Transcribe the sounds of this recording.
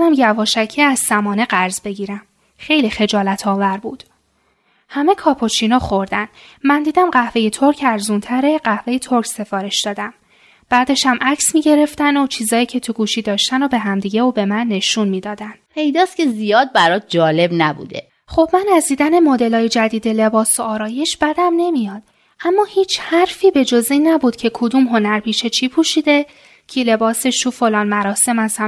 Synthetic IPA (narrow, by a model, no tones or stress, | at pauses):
næmjævɒːʃæcʰeæzsæmɒːne̞ɢæɾzbe̞ɟiːɾæm | xe̞jlixe̞d͡ʒɒːlæt̪ʰɒːvæɾbuːd̪̥ | hæme̞kʰɒːpʰo̞t͡ʃʰinɒːxo̞ɾd̪æn | mænd̪iːd̪æmɢæhve̞jet̪ʰo̞ɾcʰæɾzunt̪ʰæɾe̞ɢæhve̞jet̪ʰo̞ɾcse̞fɒːɾe̞ʃd̪̥ɒːd̪æm | b̥æd̪e̞ʃhæmʔæcʰsmiɟe̞ɾe̞ft̪ænot͡ʃʰiːzɒːiːcʰe̞t̪ʰuɡuːʃiːd̪ɒːʃt̪ænobe̞ɦæmd̪iːɟe̞uːbe̞mænːe̞ʃunmiːd̪ɒːd̪ænpʰe̞jd̪ɒːscʲe̞zijɒːd̪̚bæɾɒːt̪̚d͡ʒɒːle̞bnæbṵːd̪ḛ | χo̞b̥mænæzd̪iːd̪æne̞mod̪e̞lɒːjed͡ʒæd̪iːd̪e̞le̞bɒːsoɒːɾɒːje̞ʃb̥æd̪æmne̞mijɒːd̪̥̚ | ʔæmːɒːhiːt͡ʃʰhæɾfiːbe̞d͡ʒoziːnːæbuːd̪cʰe̞kʰod̪umɦo̞næɾpiːʃet͡ʃʰiːpʰuːʃiːd̪e̞ | cʰile̞bɒːse̞ʃt̪ufo̞lɒːnmæɾɒːse̞mæz̥hæ